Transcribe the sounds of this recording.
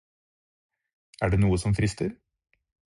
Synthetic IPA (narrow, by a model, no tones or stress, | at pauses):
æ̰ːɖeːnuːəsɔmfɾɪst̪ʰəɾ